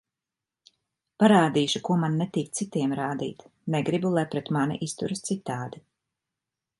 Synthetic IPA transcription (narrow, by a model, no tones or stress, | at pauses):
paɾaːd̪iːʃukuɔmanːet̪iːk̪̚sit̪iɛmɾaːd̪ḭːt̪neɡɾibulˠajpɾɛt̪manḭʔist̪ṵɾɨst̪sit̪ːaːd̪i